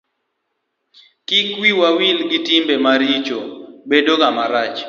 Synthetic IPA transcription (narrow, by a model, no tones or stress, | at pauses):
kɪkwiwawilɡitimbemaɾit͡ʃobedoɡamaɾat͡ʃ